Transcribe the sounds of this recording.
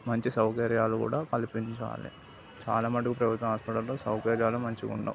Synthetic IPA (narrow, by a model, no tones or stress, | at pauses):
mɐɲt͡ʃisɐwkɐɾjaːlukṵːɽaːkɐlipiɲt͡ʃa̰ːlḭ | t͡ʃa̰ːlaːmɐʈːukupɾɐʋɐt̪ɐɐɦaːspɐʈɐlloːsɐwkɐɾjaːlumɐɲt͡ʃikṵɳɖɐ̰m